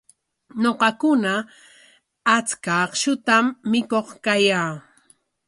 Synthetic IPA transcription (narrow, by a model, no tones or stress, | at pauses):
ɲoqɑkʊna | t͡skaqʃʊt̪amːɪkoχkajaː